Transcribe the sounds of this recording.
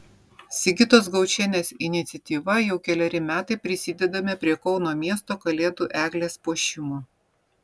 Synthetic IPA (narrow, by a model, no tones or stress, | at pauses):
sʲɪɡʲɪt̪oːs̬ɡɐʊt͡ʃʲɛnʲeːsɪnʲɪt̪sʲɛt̪ʲiːʋɐjɛʊkʲɛlʲɛɾʲɪmʲæːt̪ɐɪpʲɾʲɪsʲɪd̪ʲɛd̪ɐmʲepʲɾʲiɛkɒʊnoːmʲiɛst̪oːkɐlʲeːd̪uːʔæːɡlʲeːspoːʃʲɪmo